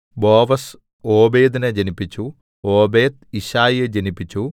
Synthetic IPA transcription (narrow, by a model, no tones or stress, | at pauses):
boːʋɐs | oːbe̞ːd̪ined͡ʑɐnipːit͡ɕːu | oːbeːd̪iɕaːjed͡ʑɐnipːit͡ɕːu